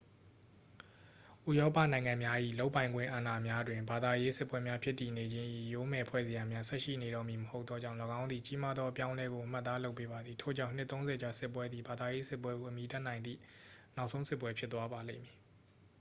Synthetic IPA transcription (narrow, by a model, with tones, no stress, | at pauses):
ʔu˦˨jɔ˦pä̰˦˨nã˨ɪ̃ŋã˨mja˦ʔḭ˦˨lo˦ʊpːã˨ɪ̃ŋɡwɪ̰̃˦˨ʔa˨na˨mja˦dwɪ̃˨mba˨d̪a˨je˦sɪ˦pwɛ˦mja˦pʰjɪ˦tːi˨ne˨d͡ʑɪ̃˦ʔḭ˦˨jo˦mɛ˨pʰwɛ̰˦˨ze˨ja˨mja˦sɛ˦ʔʃḭ˦˨ne˨ɾɔ˦˨mji˨məho˦ʊt̪θɔ˦d͡ʑã˦˨lɔ˨ɡã˦ʊ̃nd̪i˨t͡ɕi˦ma˦d̪ðɔ˦ʔə˦pjã˦ʊ̃lɛ˦ɡo˨ʔəm̥a˦t̪ːa˦lo˦ʊpːe˦ba˨d̪ði˨tʰo̰˦˨d͡ʑã˦˨n̥ɪ˦t̪ːõ˦ʊ̃zɛ˨d͡ʑa˨sɪ˦pːwɛ˦d̪ði˨ba˨d̪a˨je˦sɪ˦pwɛ˦ɡo˨ʔəmji˨ta˦˨nã˨ɪ̃nd̪ḭ˦˨na˦ʊʔsʰõ˦ʊ̃sɪ˦˨pwɛ˦pʰjɪ˦t̪ːwa˦ba˨lḛ̃˦˨mji˨